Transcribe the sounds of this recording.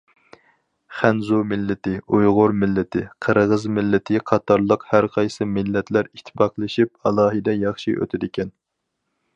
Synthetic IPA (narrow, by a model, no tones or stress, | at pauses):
χænzumɪlːɪt̪ɪujʁʊɾmɪlːɪt̪ʰɪqʰəɾʁəzmɪlːɪt̪ʰɪqʰɑt̪ʰɑɾlˠəqhæɾqʰɑjsɨmɪlːɛt̪læɾit̪ʰːɪ̥pɑqlˠɨʃip̚ɑlˠɑːɦɨd̪ɛjɑχʃḭʔø̰t̪ʰɪd̪ɪkʲʰɛn